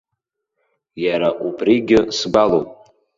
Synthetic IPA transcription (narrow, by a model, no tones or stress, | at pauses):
jaɾaʔupʰriɡʲɪsɡʷalowpʼ